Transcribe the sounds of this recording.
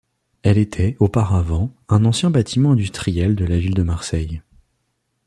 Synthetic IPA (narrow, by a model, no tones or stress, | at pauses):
ɛlet̪ʰɛopaʁavɑ̃ɛ̃nɑ̃sjɛ̃bat̪ʰimɑ̃ɛ̃d̪yst̪χijɛld̪əlavild̪əmaʁsɛj